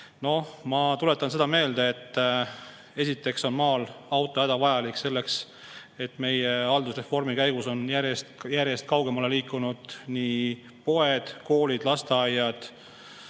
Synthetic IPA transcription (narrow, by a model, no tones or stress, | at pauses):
no̞mɑt̪ule̞t̪ːˑɑnse̞d̪̥ɑme̞ːld̪e̞ːt̪ː | e̞sit̪ˑːe̞kso̞nmɑːlɑwt̪ˑoæd̪̥ɑvɑjɑlikːˑse̞lːe̞ks | e̞t̪ːme̞jeɑld̪usre̞fo̞rmikæjɡ̥uso̞njæɾjest̪jæɾje̞st̪̚kɑwɡ̥e̞mɑleliːkːˑunud̪̥niː | po̞ed̪̥ko̞ːlid̪̥lɑst̪eɑjːɑd̪̥